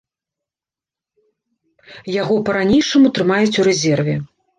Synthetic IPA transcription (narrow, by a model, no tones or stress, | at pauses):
jaɣɔpɐɾanʲejʂɐmut̪ɾɨmajut͡sʲuɾɛzʲɛrvʲɛ